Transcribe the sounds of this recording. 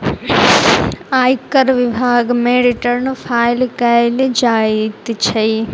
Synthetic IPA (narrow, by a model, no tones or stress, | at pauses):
aːjkɐɾʋibʱaːɡmeːɽiʈɐɾnupʰaːjlkɐjlid͡ʒaːit̪t͡ʃʰɐj